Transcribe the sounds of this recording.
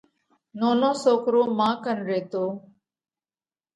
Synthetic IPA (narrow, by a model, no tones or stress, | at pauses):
noːnõːsoːkɾoːmãːkənɾeːt̪oː